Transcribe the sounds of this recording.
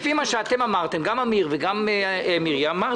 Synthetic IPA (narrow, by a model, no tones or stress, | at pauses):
fimaʃeat̪emamaʁt̪e̞mɡamamiʁveɡamemiʁjamaʁ